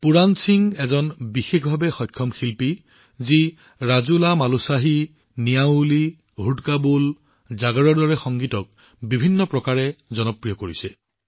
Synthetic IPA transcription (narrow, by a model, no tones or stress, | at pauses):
puɹansiŋɛzɔnbixexbʱabɛxɔjkʰːɔmxilpi | zi | ɹazulamalusaɦi | nijauli | ɦudkabul | zaɡɔɹɔɹdɔɹɛxɔŋɡitɔk̚ | bibʱinːɔpɹɔkaɹɛzɔnɔpɹijɔkoɹisɛ